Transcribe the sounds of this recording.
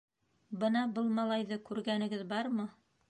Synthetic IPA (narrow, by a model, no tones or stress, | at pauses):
bɤnɑbɤlˠmɑlˠɑjðɤkʉɾɡænɘ̆ɡɘðbɑɾmɤ